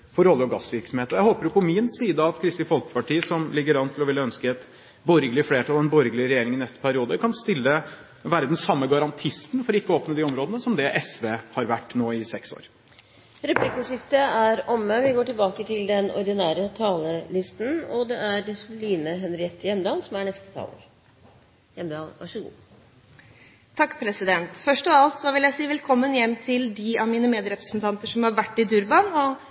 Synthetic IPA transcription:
fɔɾɔlːəɾɔɡɑsːʋɪɾksɔmheːt̪əɾjæɪhoːpəɾʊpʰɔmɪnsiːd̪əɑt̪kʰɾɪst̪ɪfɔlkə̥pɑʈiːsɔmlɪɡːəɾɑnt̪ʰɪlɔʋɪlːəœnskəɛt̪ | bɔɾɡəlɪəfleːʈʰɑlɛnbɔɾɡəlɪəɾɛjeːɾɪŋɪnɛst̪ə̥pʰæɾɪuːd̪əkʰɑnst̪ɪlːə | ʋæːɾəd̪ɛnsɑmːəɡɑɾɑnt̪ʰɪst̪nfɔɾɔɪkːəoːpnəd̪ɪɔmɾoːd̪ənəsɔmd̪ɛʔɛsʋeːhɑɾʋæʈːnoːɪsɛkso̰ːɾ | ɾɛplɪkəʂɪft̪əæɾɔmːəʋɪɡoːʈɪlbɑːkət̪ʰɪld̪ɛnɔ̰ɾd̪ɪnæːɾət̪ʰɑːləlɪst̪n̩ɔd̪ɛʔæɾsʊliːnəɦɛnɾɪɛt̪ːəjɛmd̪ɑːlsɔmæɳɛst̪ə̥t̪ʰɑ̰ːlə̰ɾ | jɛmd̪ɑ̰ːlʋɑ̰ʂəɡṵː | t̪ʰɑkːpʰɾɛsɪd̪ɛnt̪fœʂʈɔʋɑlt̪sɔʋɪljæɪsiːʋɛlkʰɔmːənjɛmːt̪ʰɪld̪ɪɑʋmiːnəmeːd̪ɾɛpɾə̥snt̪ʰɑnt̪əʂɔmhɑɾʋæʈːɪd̪ʉɾbɑnɔ

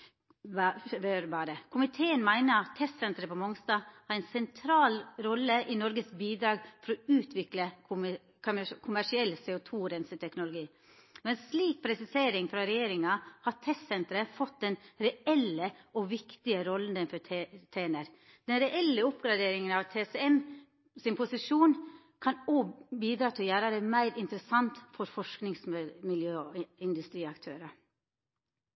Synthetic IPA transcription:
bøːɾbɑːɾəkʰʊmɪt̪ʰeːənmæɪnəɾɑt̪ʰːɛst̪sɛnt̪ɾəpɔmɔŋst̪ɑːhɑɾɛnsɛnt̪ʰɾɑːlɾɔlːəʔɪnɔɾɡəsbiːd̪ɾɑːɡfɔɾɔʉːt̪ʰʋɪkləʊ | kʰʊmæʂɪɛlːsɛʊt̪ʰuːɾɛnsət̪ʰɛknʊlʊɡiː | mɛnsliːk̚pʰɾɛsɪseːɾɪŋfɾɑɾɛjeːɾɪŋɑhɑt̪ʰɛst̪sɛnt̪ɾəfɔt̪̚d̪ɛnɾɛɛləʔɔʋɪkt̪ɪəɾɔlːənd̪ənfɔt̪ʰeːnəɾ | d̪̥ɛnɾɛʔɛlːəʊpɡɾɑd̪eːɾɪŋənɑʋt̪ʰeːsɛɛm | sɪnpʰʊsɪʂuːn | kʰɑnoːbiːd̪ɾɑːt̪ʰɪljæːɾəɾɛmæɪɾɪnt̪əɾəsɑnt̪fɔɾfɔʂknɪŋsmɪljøːɪnd̪ʉst̪ɾiːɑkt̪ʰøːɾɑ

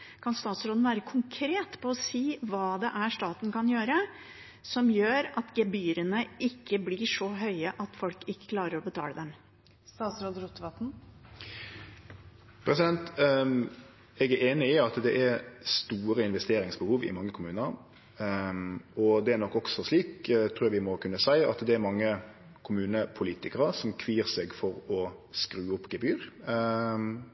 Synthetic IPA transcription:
kʰɑnst̪ɑːt̪sɾoːd̪n̩ʋæːɾəkʰʊŋkʰɾeːt̪pʰɔːsiːʋɑːd̪ɛʔæʂt̪ɑːt̪nkɑnjøːɾə | sɔmjøːɾɑt̪ɡɛbyːɾənəʔɪkːəblɪʂɔɦœʏəʔɑt̪fɔlkɪkːə̥kʰlɑːɾəɾɔbət̪ʰɑ̰ːləd̪ɛm | st̪ɑːt̪sɾoːd̪ɾut̪ːʋɑt̪n̩ | pʰɾɛsɪd̪ɛnt̪ | ɛɡæɾeːnɪɪɑt̪d̪ɛʔæɾst̪uːɾəɪnʋɛst̪eːɾɪŋsbəhuːʋɪ̰mɑŋːəkʰʊmʉːnəɾ | ɔd̪ɛæɾnɔkːɔksɔsliːkt̪ʰɾːjɑʋɪmɔkʰʉnːəsæɪɑ̰t̪d̪ɛːɾmɑŋːə | kʰʊmʉːnəpʰʊliːt̪ɪkəɾəsɔmkʰʋiːɾsɛɡfɔɾɔskɾʉːʊpːɡɛbyːɾ

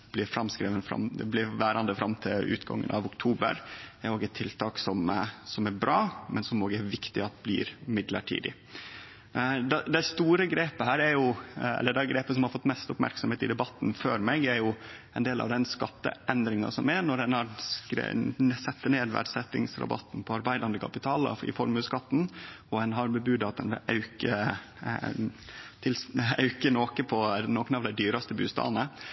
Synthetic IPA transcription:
b̥lɪɾfɾɑmskɾiːʋənfɾɑ̰md̪ɛ̰blɪʋæːɾɑnd̪əfɾɑmt̪ʰɪlʉ̰ːt̪ɡɑ̰ŋːə̰nɑ̰ʋʊkt̪ʰuːbə̰ɾæɾoːɡɛt̪ʰːɪlt̪ʰɑːksɔmsɔmæɾbɾɑːmɛnsɔmoːɡəæɾʋɪkt̪ɪɑt̪blɪ̰ːɾmɪd̪lə̰ʈʰḭːd̪ɪ | d̪ɛd̪ɛɪst̪uːɾəɡɾeːpəhæːɾæɾjʊɛ̰lːəɖɛɡɾeːpəsɔmhɑɾfɔt̪ːmɛst̪ʊpmæ̰ɾksɔmheːt̪ɪd̪ɛbɑt̪ːn̩føːɾmɛɡæɾjʊɛɪnd̪eːlɑ̰ʋd̪ɛnskɑt̪ːə̰ʔɛnd̪ɾɪŋɑ̰sɔmæɾnɔɾɛnhɑɾskɾ̰sɛt̪ːəneːd̪ʋæ̰ɖsɛt̪ːɪ̰ŋsɾɑ̰bɑ̰t̪ːn̩pʰɔɑɾbæɪd̪ɑnd̪əkʰɑpɪt̪ʰɑːlə̰ɪ̰fɔɾmʉːskɑt̪ːn̩ɔɛnɦɑɾbəbʉːd̪ɑt̪̚ɛnʋɪɑ̰ʉkə | t̪ʰɪlsɑʉkənoːkəpʰɔnoːkənɑʋd̪æɪd̪yːɾɑst̪əbʉ̰ːst̪ɑ̰ːnə

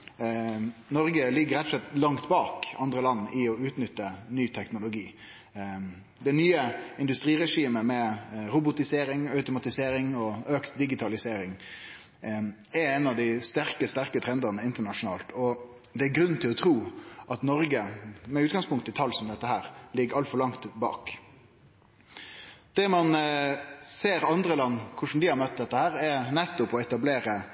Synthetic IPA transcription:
nɔɾɡəlɪɡəɾɛt̪ʰːɔ̥slɛt̪ːlɑŋt̪bɑːkɑnd̪ɾəlɑnːʔɪɔʉːt̪nʏt̪ːənyːt̪ʰɛknʊlʊɡiː | d̪ɛɪnyːəɪnd̪ʉst̪ɾiːɾɛʂiːməmɛɾʊbʊt̪ɪseːɾɪŋœʉt̪ʊmɑt̪ɪseːɾɪŋɔøːkt̪d̪ɪɡɪt̪ʰɑlɪseːɾɪŋ | ɛɾɛɪnɑʋd̪æɪst̪æɾkəst̪æɾkət̪ʰɾɛnd̪ənəɪnt̪əɳɑʂʊnɑːlt̪ʰɔ | d̪ɛæɾɡɾʉnːnt̪ʰɪlɔt̪ʰɾuːɑt̪nɔɾɡəmɛʉːt̪ɡɑŋspʊŋkt̪ɪt̪ʰɑlːsɔmd̪ɛt̪ːəhæːɾlɪɡːəɾɑlt̪fɔɾlɑŋt̪bɑ̰ːk | d̪̥ɛmɑn | seːɾɑnd̪ɾəlɑnːkʰʊʂn̩d̪ɪhɑɾmœt̪̚d̪ɛt̪ːəhæːɾɛɾnɛt̪ːʊpɔɛt̪ɑbleːɾə

